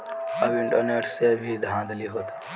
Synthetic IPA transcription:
əbɪ̃ɳʈəɾneːʈsebʱid̪ʱãːd̪liɦoːt̪ḁ

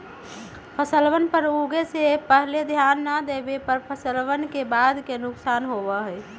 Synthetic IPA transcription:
pʰəsəlbənpəɾuɡesepəɦled̪ʱjanːəd̪ebepəɾpʰəsəlʋənkebad̪ʱkenʊksanɦobəɦəj

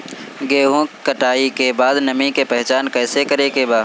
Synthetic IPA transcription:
ɡeːɦũkəʈaːikebaːd̪nɐmĩkepɛɦt͡ʃaːnkɛːsekəɾekebaːd̪

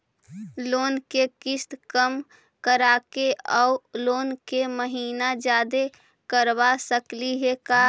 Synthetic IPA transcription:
loːnkekɪst̪kəm | kəɾaːkeɔuloːnkeməɦiːnad͡ʒjaːd̪e | kəɾbasəkliɦekaː

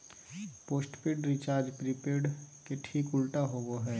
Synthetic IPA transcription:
poːsʈpeːɖɾɪt͡ʃaːɾd͡ʒpɾipeːɖkeʈʰiːkʊlʈaɦoːɡoɦɛː

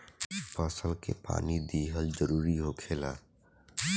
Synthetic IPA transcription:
pəsəlkḛpa̰ːnid̪iːɦəld͡ʒəɾuːɾiɦokʰeːlaː

